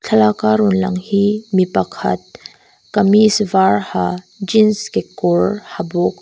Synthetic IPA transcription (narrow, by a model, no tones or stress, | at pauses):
t͡ɬʰɐlakaɾunlɐ̰ŋhimipɐkʰɐ̰t̪̚ | kɐmisvaɾha | d͡ʒinskekoɾhabok̚